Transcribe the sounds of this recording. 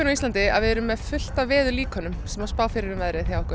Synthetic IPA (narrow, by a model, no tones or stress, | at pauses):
ʏnawist̪ant̪ɪa̰ðvɪðɛɾʏmːɛðfʏl̥t̪avvɛːðʏliːkɔnʏmsɛmaspaːwfiɾɪɾɪmvɛðɾɪθjawɛhkʏ